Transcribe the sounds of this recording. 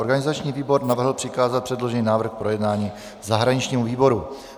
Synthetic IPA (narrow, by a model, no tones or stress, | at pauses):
oɾɡanɪzat͡ʃɲiːviːbo̞ɾnavr̩ɦl̩pr̥ɪkaːzat̪pr̥ɛdlo̞ʒɛniːnaːvr̩xpɾo̞jɛdnaːɲiː | zaɦɾaɲɪt͡ʃɲiːmuviːbo̞ɾu